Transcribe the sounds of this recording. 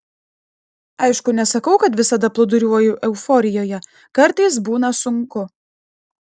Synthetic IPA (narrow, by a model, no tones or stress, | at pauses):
ɐɪʃkʊnʲɛsɐkɐʊkɐt̪ʋʲɪsɐd̪ɐplˠʊd̪ʊɾʲuɔjʊʔɛʊfɔɾʲɪjoːjɛ | kɐɾt̪ɐɪs̬buːnɐsʊŋkʊ